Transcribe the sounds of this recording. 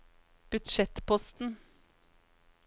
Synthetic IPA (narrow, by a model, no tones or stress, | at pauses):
b̥ʉt̪ʃɛt̪pʰɔst̪n̩